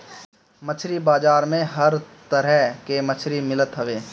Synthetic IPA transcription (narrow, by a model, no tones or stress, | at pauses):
mət͡ʃʰɾibaːd͡ʒaːɾmẽɦɐɾt̪əɾɛkemət͡ʃʰɾimɪlət̪ɦɐʋeː